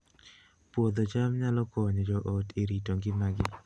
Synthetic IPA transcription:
pwod̪ot͡ʃamɲalɔkɔɲɔd͡ʒɔʔɔtʰeɾitoŋɡɪmaɡɪ

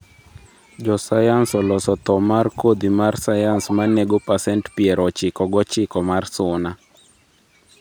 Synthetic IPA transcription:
d͡ʒɔsajansɔlɔsɔt̪ɔmarkod̪imarsajansmaneɡopasɛntpiɛɾɔt͡ʃɪkɔɡɔt͡ʃɪkɔmarsʊna

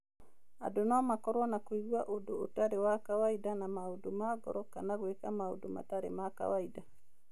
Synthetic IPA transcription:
a̰donɔamakɔɾwɔnakoiɣwaʔodoːtaɾewakawaidanamaodomaɡɔ̰ɾɔkanaɣwekamao̰doma̰taɾḛmaka̰waida

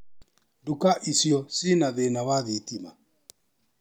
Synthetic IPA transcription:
ndukaʔisjɔsinaðenawaðitima̰

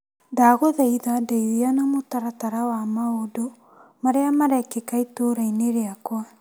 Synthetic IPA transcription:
daɣoðaiðadaiwianamotaɾataɾawamaodo | maɾeamaɾɛkekaitoɾaineɾeakwa

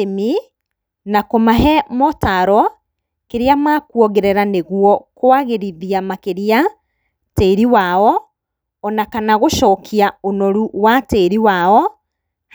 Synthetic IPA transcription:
mi | nakomaɦɛmɔtaɾɔ | keɾeamaːkwɔɣeɾɛɾaneɣwɔkoaɣeɾiðiamakeɾea | teɾiwaɔː | nakanaɣoʃɔːkʰiaonɔɾuwateɾiwaɔ

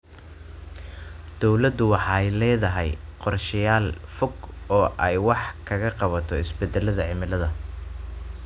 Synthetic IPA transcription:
d̪̥ɔwlɐd̪ʊwɑħɑɛjlɛːðɐɦɛjqɔrʃɪjaːlfʊɡɔːʔɛjwɑħkʰɐɣɐqɑβɐt̪ʰɔɪ̰sbɛd̪ɛlɐðɐʕɪmɪlɐðɐ

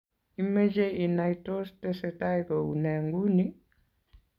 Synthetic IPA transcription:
imed͡ʒeinaitostɛsɛtaikɔunɛŋɡuni

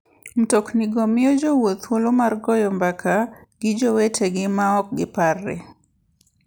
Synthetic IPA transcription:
m̩tɔkniɡomɪjɔd͡ʒowot̪wolomarɡɔjɔmbakʰaɡ̥ɪd͡ʒowetʰeɡɪmaɔk̚ɡɪparːɛ̰

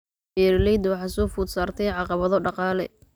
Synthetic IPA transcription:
ɛːɾlɛjd̪wɑħɑːsɔːfʊd̪saːrt̪ʰɛjʕɑqɑβɐðɔɖɑqɑːlɛ̰

